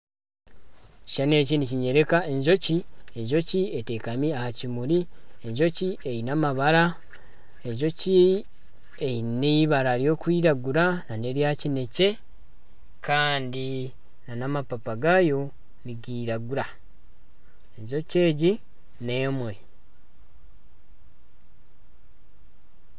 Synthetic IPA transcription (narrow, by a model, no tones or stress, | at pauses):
ci̥ʃane̞ːciniciɲe̞ɾe̞kae̞ɲʒo̞cie̞ɲʒo̞ciete̞kamiahacimuɾie̞ɲʒo̞cie̞jinamaβaɾa | e̞ɲʒo̞ci | ejiniβaɾaɾjo̞kwiːɾaɡuɾanane̞ɾjacine̞ce̞ | kʰaːndi | nanamapapaɡajo̞ | niɡiːɾaɡuɾa | eɲʒo̞ce̞ːɟi | ne̞ːmwe̞